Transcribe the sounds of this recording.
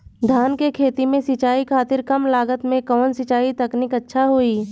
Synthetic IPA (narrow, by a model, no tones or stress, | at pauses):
d̪ʱaːnkekʰeːt̪imẽsɪt͡ʃaːikʰaːt̪ɪɾkɐmlaːɡət̪mẽkɔːnsɪt͡ʃaːit̪ɐknɪkɐtːʃʰaɦoːiː